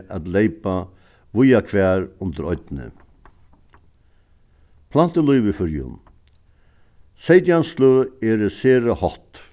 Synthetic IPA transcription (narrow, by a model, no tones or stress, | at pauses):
ʔat̪lejpa | ʋʊjakʰvæːɾʊnt̪əɾɔʏt̪nɪ̰ | pʰlan̥t̪əlujʋɪfʏɾjʊ̰n | sejt̪janslʊɛːɾəseːɾahɔht̪